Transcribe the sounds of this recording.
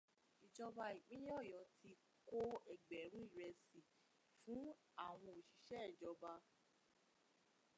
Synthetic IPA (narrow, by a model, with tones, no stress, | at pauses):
i˨d͡ʒɔ˧ba˧i˨k͡pĩ˦jɔ˦˨jɔ˨˦tʰi˧ | ko˦ɛ˨ɡ͡bɛ˨ɾ̃ũ˦i˦˨ɾɛ˧si˨ | fũ˦ | a˦˨w̃ɔ̃˧o˨ʃi˨ʃɛ˦˨d͡ʒɔ˧ba˧